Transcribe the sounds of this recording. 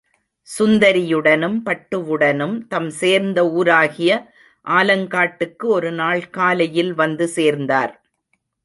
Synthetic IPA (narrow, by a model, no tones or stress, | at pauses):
sʊnd̪ɐɾɪjɯɽɐnɯmpɐʈːɯʋɯɽɐnɯmt̪ɐmseːɾnd̪ɐuːɾaːɣɪjɐ | ʔaːlɐŋkaːʈːɯkːɯɔɾɯnaːɭkaːlɐjɪlʋɐnd̪ɯseːɾnd̪a̰ːɾ